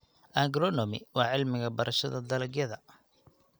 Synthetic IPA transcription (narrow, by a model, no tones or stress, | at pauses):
ʔaŋɡɾɔnɔmɪ̰wɑːʕɪlmɪɣɐbɐɾʔɐʃɐðɐd̪ɐlɐɡjɐðɐ